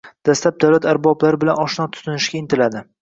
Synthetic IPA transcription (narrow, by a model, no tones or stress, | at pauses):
d̪̥aslap̚d̪awlat̪ʰaɾbɒblaɾɪbɪlanɒʃnɒt̪ʰʊ̥t̪ʰʊnɪʃɡʲaɪnt̪ʰɪlad̪ɪ